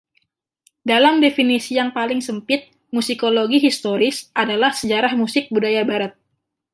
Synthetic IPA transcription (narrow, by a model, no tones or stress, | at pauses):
dalamdefinisijaŋpalɪŋsəmpɪt̪̚ | musikoloɡiɦist̪oɾɪsʔadalahsəd͡ʒaɾahmusɪk̚budajabaɾat̪̚